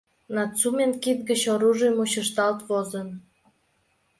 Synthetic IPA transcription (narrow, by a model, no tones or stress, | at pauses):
nɑt͡sumʲenkit̪̚ɡət͡ɕoɾuʒijmuɕəʃt̪ɑlt̪vozən